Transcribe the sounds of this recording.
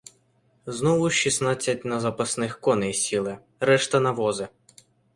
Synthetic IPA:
znɔʋʊʃisnɑt͡sʲːɐtʲnɐzɐpɐsnɪxkɔnɪjsʲilˠɪ | ɾɛʃt̪ɐnɐʋɔzɪ

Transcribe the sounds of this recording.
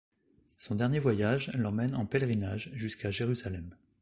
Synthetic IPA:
sɔ̃d̪ɛʁnjevwajaʒlɑ̃mɛnɑ̃pɛlʁinaʒʒyskaʒeʁyzalɛm

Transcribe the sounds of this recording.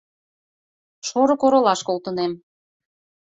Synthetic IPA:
ʃoɾŏkoɾŏlɑʃkolt̪ə̆nem

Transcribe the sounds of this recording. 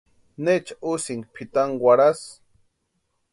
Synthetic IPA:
net͡ʃḁusiŋɡpʰit̪aŋwaɾas

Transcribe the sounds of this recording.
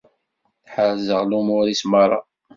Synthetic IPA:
θħəɾzəʁlumʊɾismɑrˤːɑ̰

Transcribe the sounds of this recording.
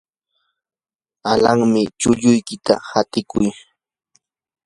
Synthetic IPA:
alaŋmɪt͡ʃʊʎʊjkɪt̪ahat̪ɪkʊj

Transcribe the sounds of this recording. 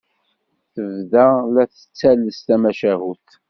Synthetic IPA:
θəvðælæθə̥t͡sːæləst̪æmæʃæhuθ

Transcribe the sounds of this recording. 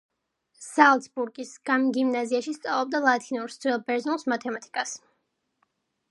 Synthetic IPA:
salˠt̪sbuɾɡisɡ̥amɡimnaziaʃist̪sʼa̰vlˠɔb̚d̪alˠat̪ʰinuɾst̪sʰwɛlˠbɛɾznulˠsmat̪ʰɛmat̪ʰi̥kʼas

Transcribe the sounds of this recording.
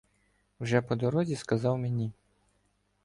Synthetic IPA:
wʒɛpɔd̪ɔɾɔzʲiskɐzɑwmʲɛnʲi

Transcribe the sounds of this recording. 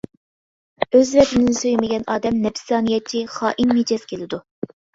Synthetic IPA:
øzvɛt̪ʰɪnɪnsøjmɪɡʲɛnɑːd̪ɛmnɛpɪ̥sɑːnijɛt͡ʃʰiχɑːʔinmed͡ʒɛskʲʰelɪd̪u

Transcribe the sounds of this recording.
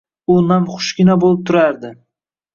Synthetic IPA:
ʊnamχʊ̥ʃɡʲɪnabolˠɪp̚t̪ʰʊɾaɾd̪ɪ

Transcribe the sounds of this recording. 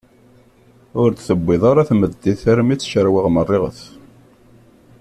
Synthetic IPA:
ʊɾt̪θəbːɪðˤɑɾaθməd̪ːiθæɾmit͡sːʃəɾwɪʁmərˤːɪʁə̰θ

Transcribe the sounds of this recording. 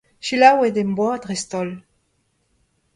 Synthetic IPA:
ʃilawed̪embwad̪ʁest̪ɔl

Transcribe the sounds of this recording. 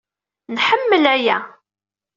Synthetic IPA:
nħəmːəlæjæ

